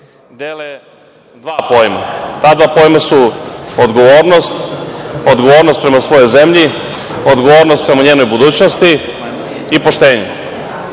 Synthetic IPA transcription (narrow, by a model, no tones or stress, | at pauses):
d̪eːle | d̪ʋaːpo̞jma̰t̪aːd̪ʋaːpo̞jmasuod̪ɡo̞ʋo̞ːɾno̞st̪od̪ɡo̞ʋo̞ːɾnost̪̚pɾe̞masʋo̞jo̞jze̞mʎi | o̞d̪ɡo̞ʋoːɾnost̪̚pɾe̞maɲeːno̞jbud̪uːt͡ɕnost̪i | ipo̞ʃt̪e̞ːɲu